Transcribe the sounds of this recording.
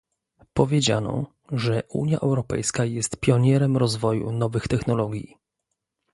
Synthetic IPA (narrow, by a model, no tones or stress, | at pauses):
pɔvʲjed͡ʑa̰nɔ̰ | ʐɛʔṵɲja̰ʔɛwɾɔpɛ̰jskajɛst̪pʲjɔɲɛɾɛmɾɔzvɔjṵnɔvɘxt̪ɛxnɔlɔɡʲjḭ